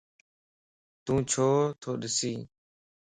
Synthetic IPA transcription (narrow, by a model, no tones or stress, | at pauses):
t̪ũːt͡ʃʰoːt̪ʰoːɗɪsiː